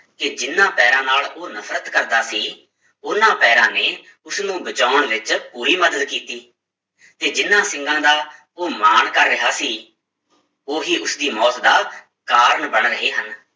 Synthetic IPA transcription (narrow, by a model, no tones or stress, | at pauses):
kɪd͡ʒɪnːãːpɛːɾãːnaːloːnəpʰɾət̪kəɾd̪aːsiː | ʊnãːpɛːɾãːneː | ʊsnũːbət͡ʃaːəɳʋɪt͡ʃpuːɾiːməd̪əd̪kiːt̪iː | t̪eːd͡ʒɪnːãːsɪ̃ŋɡãːd̪aː | oːmaːɳkəɾːɪɦaːsiː | oːɦiːʊsd̪iːmɔːt̪d̪aː | kaːɾəɳbəɳɾəɦeːɦən